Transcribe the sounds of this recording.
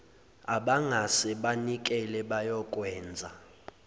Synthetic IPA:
aɓaŋasɛɓanik̬ʼɛlɛɓajɔkʼwɛːnd͡zʱa

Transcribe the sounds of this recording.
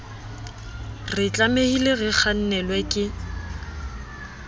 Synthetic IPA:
rɪt͡ɬʼamehileɣɪk͡xʰan̩nɛlwɛkʼɪ

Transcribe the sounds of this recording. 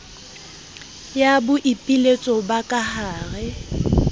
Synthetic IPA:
jabʊʔipʼilet͡sʼɔbakʼahaːɣɛ

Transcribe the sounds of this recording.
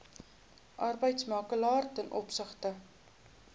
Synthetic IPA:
ʔɐrbəjtsmɑːkəlɑːrtənʔɔpsəχtə

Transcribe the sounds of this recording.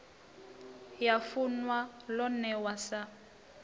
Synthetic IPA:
jafunwalɔnɛwasa

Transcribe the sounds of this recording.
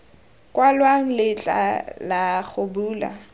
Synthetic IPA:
kʼwalwaŋ̩lɪt͡ɬʼa̰laχʊbuːla̰

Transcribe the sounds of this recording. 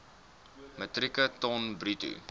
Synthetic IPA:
mətrikətɔnbɾitṵ

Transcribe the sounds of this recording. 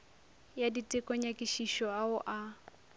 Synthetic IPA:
jaditʼɪkʼɔɲakʼiʃiʃɔaʊʔa

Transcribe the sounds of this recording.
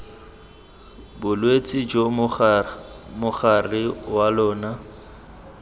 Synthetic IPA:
bʊlwet͡sʼɪd͡ʒo | mʊχarɪwalɔːna

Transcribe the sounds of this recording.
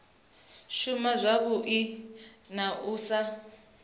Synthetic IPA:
ʃumazʷaβuʔinaʔuːsa

